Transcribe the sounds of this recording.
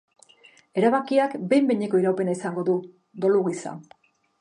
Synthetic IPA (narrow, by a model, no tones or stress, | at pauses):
e̞ɾaβakiakbe̞jmbeɲeko̞iɾawpe̞naisaŋɡo̞ðu | d̪o̞luɣisa̰